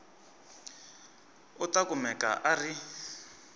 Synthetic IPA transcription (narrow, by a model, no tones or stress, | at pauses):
utakumɛka̰ʔari